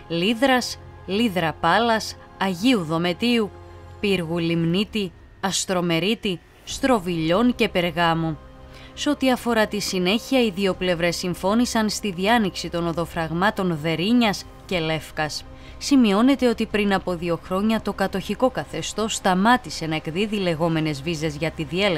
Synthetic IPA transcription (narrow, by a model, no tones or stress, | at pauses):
liðɾɐsliðɾɐpɐlɐs | ɐʝiuðo̞me̞t̪iupiɾɣulimnit̪i | ɐst̪ɾo̞me̞ɾit̪i | st̪ɾo̞viʎo̞nce̞pe̞ɾɣɐmu | se̞o̞t̪iɐfo̞ɾɐt̪isine̞çiɐiðio̞ple̞vɾe̞sːiɱfo̞nisɐnst̪iðiɐniksit̪o̞no̞ðo̞fɾɐɣmɐt̪o̞nðe̞ɾiɲɐs | ce̞le̞fkɐs | simio̞ne̞t̪e̞o̞t̪ipɾinɐpo̞ðio̞xɾo̞ɲɐt̪o̞kɐt̪o̞çiko̞kɐθe̞st̪o̞st̪ɐmɐt̪ise̞nɐe̞kðiðile̞ɣo̞me̞ne̞zvize̞zʝɐt̪iðie̞l